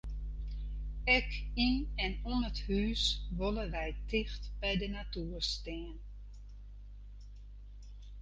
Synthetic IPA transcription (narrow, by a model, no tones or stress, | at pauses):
ɛkinɛnunəthyːsʋoləʋɛjtʰɪxtb̥ɛjdənatuərstɪːn